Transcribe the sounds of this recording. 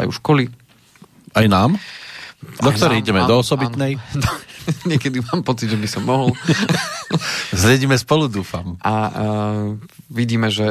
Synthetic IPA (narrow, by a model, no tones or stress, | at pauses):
a̰jṵʃkɔli | ajnaːm | d̪ɔk̚t̪ɔɾɛjiɟɛmɛd̪ɔɔsɔbit̪nɛj | ɲɪɛkɛd̪imaːmpɔt͡sidʒɛbisɔmːɔɦɔl | zlɛɟiːmɛspɔlud̪uːfamʔa | ʋiɟiːmɛʒɛ